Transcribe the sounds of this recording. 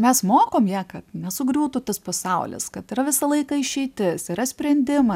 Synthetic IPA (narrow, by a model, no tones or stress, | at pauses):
mʲɛsmoːkoːmjæːkɐt̪nʲɛsʊɡɾʲuːt̪ʊt̪ɐspɐsɐʊlʲɪ̰skɐt̪ɪɾɐʋʲɪsɐlˠɐɪkɐɪʃʲɛɪt̪ʲɪsɪɾɐsʲpʲɾʲɛnʲd̪ʲɪmɐ